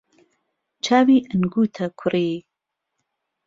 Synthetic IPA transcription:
t͡ʃʰaːwiːʔənɡuːt̪ʰɐkʰʊriː

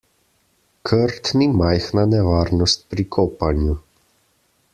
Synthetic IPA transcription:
kʰəɾt̪nimajxnanɛʋaːɾnɔst̪̚pɾikʰɔːpanju

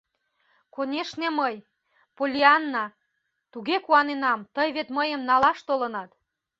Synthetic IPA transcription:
konʲeʃneməj | polʲiɑnːɑ | t̪uɣekuɑnenɑmt̪əjβet̪məjəmnɑlɑʃt̪olənɑt̪

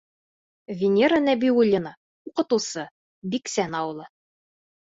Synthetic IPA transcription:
vʲɪnʲeɾanæbʲiulʲːɪna | uqɤ̆t̪ɤ̆wsɤ | biksænɑwɤ̆lˠɤ

